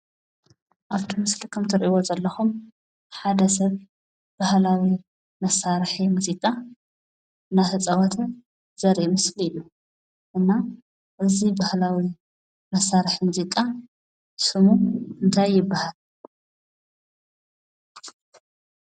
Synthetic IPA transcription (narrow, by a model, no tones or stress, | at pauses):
ʔaβt̪ʰimɨslikʰɐmt̪ʰɨɾʔiβozɐlːɐxum | ħad̪ɐs̬ɐβ | b̥ahlawi | mɐsaɾħimuzikʼa | ɨnːat̪ʰɐt͡sʼɐwat̪ʰɨn | z̥ɐɾʔimɨsliɨju | ʔɨnːa | ʔɨzibahlawi | mɐsːaɾħimuzikʼa | sɨmuɨnt̪ʰajːɪbːahal